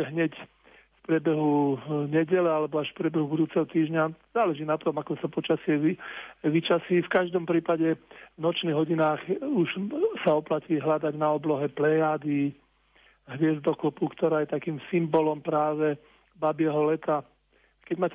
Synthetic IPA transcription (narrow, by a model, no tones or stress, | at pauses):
ɦɲɛc | fpɾɪɛbɛɦuɲɛɟɛlɛalɛbɔaʃfpɾɪɛbɛɦubud̪uːt͡sɛɦɔt̪iːʒɲaz̥aːlɛʒiːnat̪ɔmakɔsapɔt͡ʃasɪɛiʋit͡ʃasiːfkaʒd̪ɔmpɾiːpaɟɛvnɔt͡ʃniɣɦɔɟinaːɣuʒsaɔplaciːɦlad̪aɟnaɔblɔɦɛplɛjaːd̪i | ɦʋɪɛzd̪ɔkɔpukt̪ɔɾaːjɛt̪akiːmsimbɔlɔmpɾaːʋɛ | babɪɛɦɔlɛt̪a | kɛɟmaːc